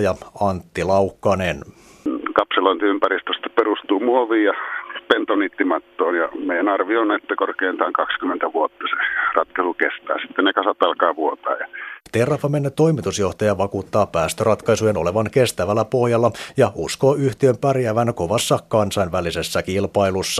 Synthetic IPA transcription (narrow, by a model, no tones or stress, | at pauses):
jɑɑnt̪ːilɑukːɑnen | nkɑpseloint̪iympærist̪øst̪ɑ̥perust̪uːmuoʋiːjɑpent̪onit̪ːimɑt̪ːoːnjɑ̰meijænɑrʋionet̪ːækorkeint̪ɑːŋkɑkskymːent̪æʋuot̪ːɑse̥rɑt̪kɑsukest̪æ̰ːnsit̪ːennekɑsɑt̪ɑlkɑːʋuot̪ɑ̰ːjɑt̪erːˑɑfːɑmenːet̪o̞ijmit̪usjo̞ht̪ɑjɑʋɑkuːt̪ːɑːpæːst̪ørɑt̪kɑjsujeno̞leʋɑnke̞st̪æʋælːæpo̞hjɑlːɑjɑʔuskoːyht̪iømpærjæʋænko̞ʋɑsːɑkːɑnsɑinʋælise̞sːækilpɑilusːɑ